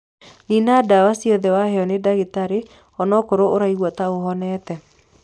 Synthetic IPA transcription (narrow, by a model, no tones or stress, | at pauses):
ninadawasiɔðɛwahɛɔnedaɣetaɾe | ɔnɔkoɾooɾaiɣwɔtaoɦɔnɛtɛ